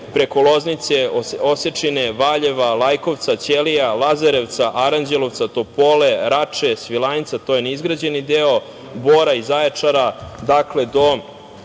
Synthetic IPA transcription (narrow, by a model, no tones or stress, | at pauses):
pɾe̞ko̞lˠoznit̪seoset͡ʂineʋaʎeʋalajko̞ʋt̪sat͡ɕelijalˠazaɾeʋt̪saʔaɾand͡ʑelo̞ʋt̪sat̪opo̞leɾat͡ʂesʋilˠanit̪sat̪o̞jeneizɡɾad͡ʑenid̪eo̞ | boɾaizaet͡ʂaɾad̪akle̞d̪o̞